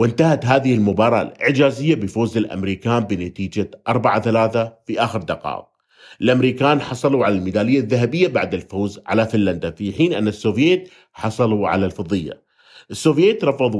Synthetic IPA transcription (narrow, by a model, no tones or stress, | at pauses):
wɪnt̪ahat̪ɦaːðɪhɪlmʊbɑːɾˤɑ̰lʔɪ̰ʕd͡ʒaːzɪjːabɪfoːzɪlʔa̰mɾiːkaːmbɪnat̪iːd͡ʒaʔɑɾˤbaʕaθalaːθafiʔaːxɪɾd̪ɑqɑ̰ːq̚ | ʔɪlʔamɾiːkaːnħɑsˤɑluʕalalmɪd̪aːlɪjːaðːaɦabɪjːabaʕd̪ɪlfoːzʕa̰lafɪnːand̪afiħiːnʔɪnːasːoːvjeːt̪ | ħɑsˤɑluʕa̰lalfɑðˤɨjːa̰ | ʔɪsːoːvjeːt̪ɾˤɑfɑðˤ